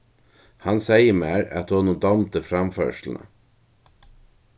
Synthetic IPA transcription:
hɑnsæɪəmeːɾɛ̰t̪honud̪ɑmt̪əfɾɑmfø̰ːʃl̩n̩ə̰

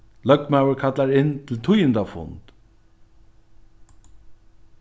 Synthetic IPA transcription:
lœk̚mawəkʰat̪laɾɪnːt̪ʰɪlt̪ʰʊjənd̪afʊ̰nt̪

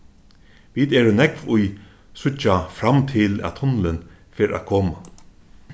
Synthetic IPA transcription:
ʋiːd̪ɛːɾənɛkʋʊj | sʊt͡ʃafɾamt̪ʰɪlæ̰t̪ʰhʊnlən | feːɾæ̰kʰoːma

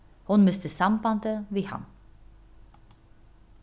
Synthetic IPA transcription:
hʊnmœst̪əsampant̪əʋiːhɑ̰m

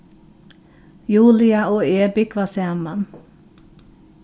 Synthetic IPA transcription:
juːlɪɑʔoːeːbɪkʋɑːsæːmɑn

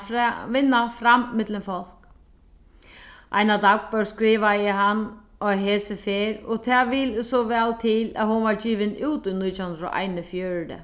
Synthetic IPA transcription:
ʋɪnːafɾammɪt̪lənfɔl̥k | ʔa̰jnad̪ak̚pœɹskɾiːʋajəɦanː | ɔɦeːsəfeːɾɔt̪ʰaːʋiːlsɔʋɛːlt̪ʰɪlæ̰hʊnʋaɹd͡ʑiːʋɪnuːt̪uniːt̪ʰːhɵnd̪ɾɔ̰ʔa̰jnəfjøːɹd̪ə̰

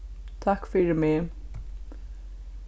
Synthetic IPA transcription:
t̪ʰakfɪɾɪmɪ

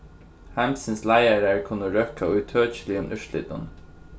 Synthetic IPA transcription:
hæmsənslæɪaɾæɹkʰʊnəɹœkʰaʊʏt̪ʰøːt͡ʃəlɪʊmʔʏʃlɪ̰t̪̚nʊ̰n

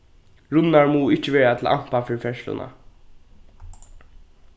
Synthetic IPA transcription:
ɹʊnːaɹmuːɪt͡ʃəʋeːɹat̪ʰɪl̩ʔa̰m̥pafɪɹfɛʃlʊ̰na̰

